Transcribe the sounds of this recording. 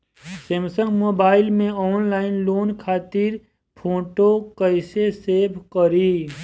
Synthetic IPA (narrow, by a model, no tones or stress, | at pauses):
semsəŋɡmoːbaːɪlmẽɔːnlaːɪnloːnkʰaːt̪ɪɾ | pʰoːʈokəɪseseːbkəɾiː